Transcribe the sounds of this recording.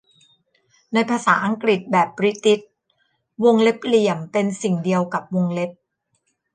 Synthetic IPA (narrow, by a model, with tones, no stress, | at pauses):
na˧jpʰaː˧saː˩˦ʔa˧ŋkɾi˨˩t̪̚bɛː˨˩pːɾi˦˥t̪i˦˥t̪̚ | wo˧ŋle˦˥p̚li˨˩əmpe˧nsi˨˩ŋdi˧əwka˨˩p̚wo˧ŋle˦˥p̚